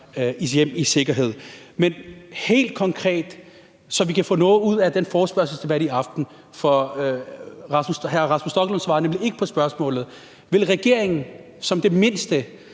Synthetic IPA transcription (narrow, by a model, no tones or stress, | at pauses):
isjem̰ise̝ɡ̥ɐɦe̝ð̰ˠ | menhe̝̰ːld̥̚kʰɒ̽ŋkʰʁɛ̰ːd̥ | sɒ̽ʋikʰæfɔ̽ːnɔ̽ːð̩ˠuð̞̰ˠæd̥enfɒːsb̥ɶɐsl̩sd̥e̝b̥æɾ̥iɑ̈fd̥n̩ | fɒ | ʁɑ̈smushæɐʁɑ̈smusd̥ɒ̽ɡ̥lɔnsʋɑ̈ːnemlie̝ɡ̥ə̥pʰɒ̽sb̥ɶɐsmɔ̰̽ːlð̩ˠ | ʋe̝lʁɛɡ̥e̝ɐ̰eŋn̩ | sɒ̽md̥e̝me̝nsd̥ə